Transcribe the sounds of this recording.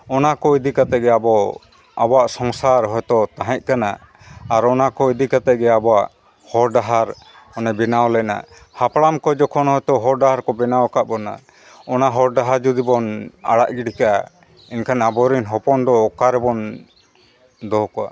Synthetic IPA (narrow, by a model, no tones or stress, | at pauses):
ɔnakɔid̪ikat̪ɛʔɡɛabɔ | abɔaʔsɔŋsaɾɦɔjt̪ɔt̪aɦɛ̃c̪̚ˀkana̰ː | ɾɔnakɔid̪ikat̪ɛʔɡɛabɔaʔ | hɔɾɖaɦaɾ | ɔnɛbɛnawlɛna̰ | hapɽamkɔd͡ʒɔkʰɔnhɔjt̪ɔɦɔɾɖaɦaɾkɔbɛnawkaʔbɔna̰ | ɔnaɦɔɾɖaɦaɾd͡ʒud̪ibɔna̰ɽa̰ʔɡiɽikaʔa | inkʰanabɔɾinɦɔpɔnd̪ɔːkaɾɛbɔn | d̪ɔɦkɔa̰